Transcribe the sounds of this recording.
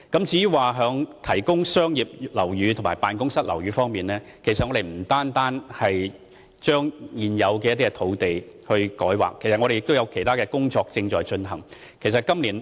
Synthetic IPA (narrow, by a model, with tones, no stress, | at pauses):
kɐ˨˥mt͡siː˨˥ji˥waː˨˩ɦœː˨˧ŋt̪ʰɐ˨˩jkʊ˥ŋsœː˥ŋjiː˨p̚lɐ˨˩wjyː˨˧t̪ʰʊ˨˩maː˨˩jpaː˨˧nkʊ˥ŋsɐ˥t̚lɐ̰˨˩wɥyː˨˧fɔː˥ŋmiː˨nlɛː˥kʰe˨˩js̬ɐ˨t̚ŋɔ˨˧ɾe˨jm̩˨˩t̪aː˥nt̪aː˥nhɐ˨j | t͡ʃœː˥ŋiː˨˩njɐ˨˧wkɛː˧ɐ˥t̪̬iː˥kɛ˧t̪ʰo˨˧wt̪e˨jhɵ˧ɥkɔː˨˥jwa̰ː˨˩kʰːe˨˩jsɐ˨t̚ŋɔ˧ɾe˨jɪ˨k̚t̪o˥wjɐ˧wkʰe˨˩t̪ʰaː˥kɛː˧kʊ˥ŋt͡sɔː˧k̚t͡sɪ˧ŋt͡ʃɔː˨jt͡ʃɵ˧nɦɐ˨˩ŋ | kʰe˨˩js̬ɐ˨t̚kɐ˥mliː˨˩n